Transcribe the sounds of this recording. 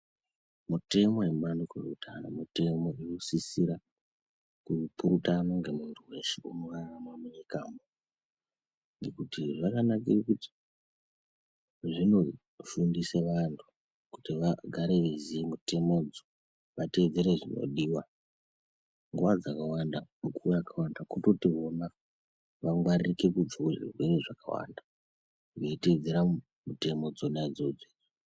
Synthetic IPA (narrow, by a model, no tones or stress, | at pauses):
mute̞mo̞jemuɓandukorṵtʰa̰nomute̞mo̞irusisiɾa | kupuɾutanoŋɡe̞muntʰuwe̞ʃeunoʋaramwamuɲikaːmo | ŋɡe̞kutiʐakanakirikuti̥ | ʐino̞ | fundiseʋantʰu̥ | kutiʋaɡʱaɾeʋizimute̞mo̞d͡zo | ʋate̞d͡ze̞ɾeʐino̞̰ɗiwa | ŋɡuwad͡zakawandanukujakʰawandakuto̞tiɦona | ʋaŋɡwaririke̞kud͡ʒakuʐḭrwe̞ɾe̞ʐaka̰wa̰nda | ɡeited͡zeɾa | mute̞mo̞d͡zonad͡zod͡ze